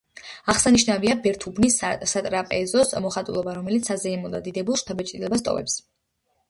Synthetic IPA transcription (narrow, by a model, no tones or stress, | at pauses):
aʁsaniʃnaviabɛɾt̪ʰubnissat̪ʼɾapʼɛzɔsmɔχat̪ʼṵlˠɔbaɾɔmɛlit̪sʰazɛɛmɔd̪a̰d̪id̪ɛbulˠʃt̪ʰabɛt͡ʃʼilɛbast̪ʼɔ̰vɛ̰ps